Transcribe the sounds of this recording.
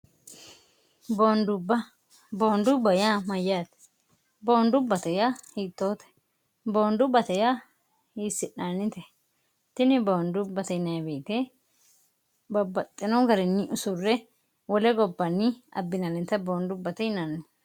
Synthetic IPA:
boːnd̪ʊbɐ | boːnd̪ʊbɐjamɐjːaːt̪ | boːnd̪ʊbːɐt̪ɛjahiːt̪ːo̞ːt̪ɛ̥ | boːnd̪ʊbɐt̪ɛja | hiːsːɪʔaːnːɪt̪ɛ | t̪ɪnɪboːnd̪ʊbːɐt̪ɛjnɐjbeːt̪e | bɐbɐt̪ʼːɪnɔɡɐɾɛnːɪʔʊsʊrːɛ | wɔlɛɡɔbːɐnːɪɐ̰bːɪnɐlɪnt̪ːɐboːnd̪ʊbːɐt̪ɛjnanɪ

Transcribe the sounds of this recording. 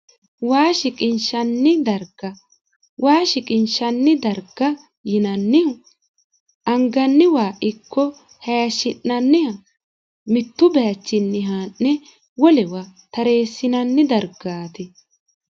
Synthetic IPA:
waːʃɪkʼɪnʃɐnːɪd̪ɐɾɡ̥ɐ | wʔaːʃɪkʼɪnʃɐnːɪd̪ɐɾɡ̥ɐ | jɪnɐnːɪ | ɐŋɡɐnːɪwaːʔɪkʰːɔ | hɐjɐʃɪnːɐnːɪhɐ | mɪt̪ːʊbɛjɐt͡ʃːɪnːɪɦanːɛ | wɔlɛwat̪ɐɾe̞ːsːɪnɐnːɪd̪ɐɾɡ̥aːt̪ɪ

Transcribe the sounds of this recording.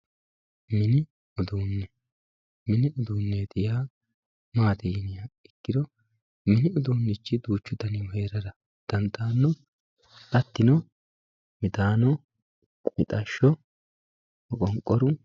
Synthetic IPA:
mɪnɪ | ɔd̪uːnːɛ | mɪnɪʊd̪uːnːed̪ɪjaː | maːt̪ɪjɪnɪjaɪkːɪd̪ɔ | mɪnɪɔd̪uːnːɪt͡ʃːɪd̪uːt͡ʃːʊd̪ɐnɪwɔheːɾɐɾɐ | d̪̥ɐnt̪ːaːnːɔ | ɐt̪ːɪnɔ | mɪt̪aːnɔ | mɪt̪ʼɐʃːɔ | ɔkʼɔŋkʼːɔɾʊ

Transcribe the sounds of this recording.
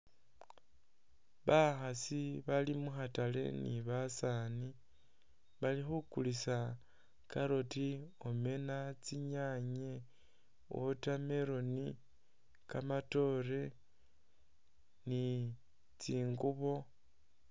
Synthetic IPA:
βaxasiβalimuxatale̞̰nḭβasani | βalixukulisa | kaɾotiome̞nat͡siɲaɲe | wo̰tame̞ɾo̞ni | kamato̞ɾe̞ | ni | t͡siːŋɡuβo̞

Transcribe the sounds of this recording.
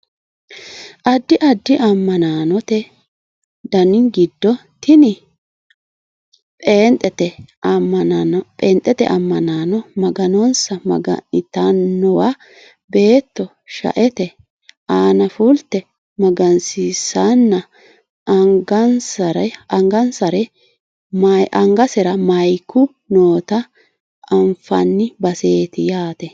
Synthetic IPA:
ʔɐd̪ːɪʔɐd̪ːɪʔɐmːɐnaːnɔt̪ɛ | d̪ɐnɪŋɡɪd̪ːɔt̪ɪnɪ | pʼeːnt̪ʼːɛt̪ɛ | pʼeːnt̪ʼːɛt̪ɛ̰ʔɐmːɐnaːnɔmɐɡɐnɔnsɐmɐ̰ɡɐ̰nɪt̪ɐnːɔwaː | be̞ːt̪ːɔ | ʃɐ̰ʔɛt̪ɛ | aːnɐfʊlt̪ːɛ | mɐɡɐnsisɐnːɐ | ɡɐnsɐɾɐŋɡɐnsɐɾɛ | mɐʔɐŋɡɐsɛɾɐmɐjkʰːʊ | noːt̪ɐ | ʔɐɱfɐ̰nːɪbɐse̞ːt̪ɪjaːt̪ɛ

